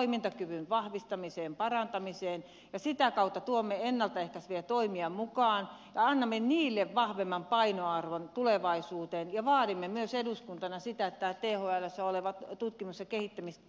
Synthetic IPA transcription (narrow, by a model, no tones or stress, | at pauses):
imint̪ɑkyʋynʋɑhʋist̪ɑmiseːmpɑrɑnt̪ɑmiseːn | jɑsit̪ækɑut̪ːɑt̪uomːeenːɑlt̪ɑehkæsʋiet̪oimiɑmukɑːnjɑɑnːɑmːeniːlːeʋʋɑhʋemːɑmpɑinoɑrʋont̪uleʋɑisuːt̪eːnjɑʋɑːdimːemyøseduskunt̪ɑnɑsit̪æet̪ːæːt̪eːhoælæsːæoleʋɑt̪t̪ut̪kimusjɑkehit̪ːæmist̪